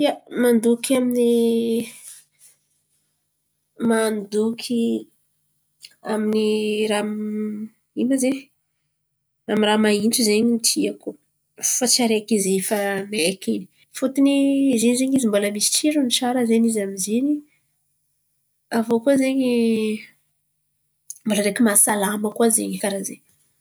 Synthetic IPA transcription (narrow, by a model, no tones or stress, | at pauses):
iamand̪ukamini | mand̪ukʰi | aminiɾam | imaze | ramiramainʈ͡ʂuzeɲimit̪ʰiaku | fat͡saɾeakizefamaekeni̥ | fut̪inizenizeɲizimboləmisi̥ʈ͡ʂt͡ʃiɾunit͡ʃaɾəzenizamizeni | avokuazeɲi | mboləɾekimasalaməkuazḛɲikaɾazḛ